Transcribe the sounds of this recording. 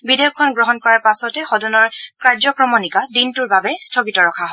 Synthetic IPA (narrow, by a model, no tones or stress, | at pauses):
bidejɔkʰːɔnɡɹɔɦɔnkɔɹaɹpasɔtɛxɔdɔnɔɹkɹaɹzɔkɹɔmɔnikadintuɹbabɛstʰɔɡitɔɹɔkʰaɦo